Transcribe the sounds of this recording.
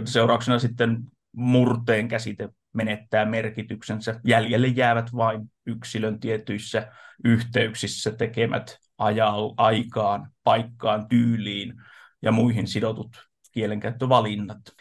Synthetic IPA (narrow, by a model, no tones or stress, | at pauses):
seurɑˑuksenɑsit̪ːen | murt̪eːŋkæsit̪e | menet̪ːæːmerkit̪yksensæjæljelːejjæːʋæt̪ʋɑinyksilønt̪iet̪yisːæyht̪eyksisːæt̪ekemæ̰t̪ | ʔɑjɑlʔɑikɑːnpɑikːɑːnt̪yːliːn | jɑ̰muihinsidot̪ut̪ | kieleŋkæyt̪ːøʋɑlinːɑt̪